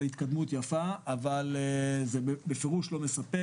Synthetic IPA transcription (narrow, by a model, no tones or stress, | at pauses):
hit̪kad̪mut̪jafaːvalezebebefeʁuʃlo̞me̞sape